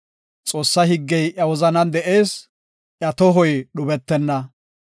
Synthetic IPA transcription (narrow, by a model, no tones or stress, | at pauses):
t͡sʼo̞ːsːɐhɪɡːɛjʔɐwɔzɐnɐnd̪ɛʔe̞ːs | ʔjɐt̪ɔɦɔjɗʊbɛt̪ːɛnːɐ